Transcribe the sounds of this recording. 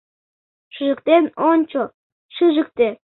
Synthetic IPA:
ʃɨʒə̆k̚t̪enonʲt͡ɕo | ʃɨʒə̆k̚t̪e

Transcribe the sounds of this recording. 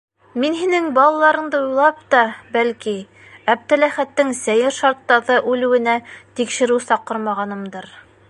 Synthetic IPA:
minɦinɘŋbɑlˠɑlˠɑɾɤ̆ɴd̪ɤujlˠɑpt̪ɑbælki | æb̚t̪ælæχæt̪ːɘŋsæjɘɾʃɑɾt̪ːɑðɤʔʉlɘ̆wɘ̆næt̪ikʃɘ̆ɾɘwsɑqɤɾmɑʁɑnɤ̆md̪ɤɾ

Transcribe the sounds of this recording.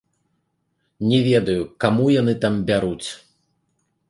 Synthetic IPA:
nʲɛvʲɛd̪ɐjukamujanɨt̪ambʲaɾut͡sʲ

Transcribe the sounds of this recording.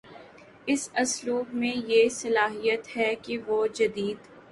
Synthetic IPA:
ɪsɐsluːbmẽjesɐlaːɦijət̪ɦɛkiʋod͡ʒɐd̪iːd̪

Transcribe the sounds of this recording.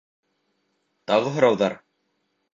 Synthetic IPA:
t̪aɣɦɾawðaɾ

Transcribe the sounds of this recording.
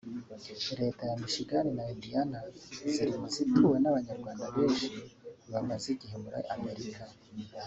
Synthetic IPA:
ɾe̞tajamiʃiɡaninaidianaziɾimuzituːwe̞naβaɲaɾɡwaːndaβeːʃuβamaziɟihemuɾa̰ame̞ɾika

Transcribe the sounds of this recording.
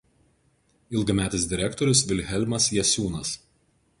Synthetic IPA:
ɪlˠɡɐmʲæːt̪ʲɪsd̪ʲɪɾʲɛkt̪ɔɾʲʊs̬ʋʲɪlʲɦʲɛlʲmɐsjɛsʲuːnɐs

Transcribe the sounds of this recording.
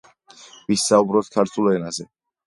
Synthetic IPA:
visaubɾɔt̪̚kʰaɾt̪ʰulˠɛnazɛ

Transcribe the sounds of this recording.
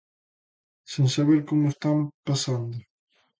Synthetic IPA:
sẽnsaβeɾkomʊest̪ampasand̪ʊ

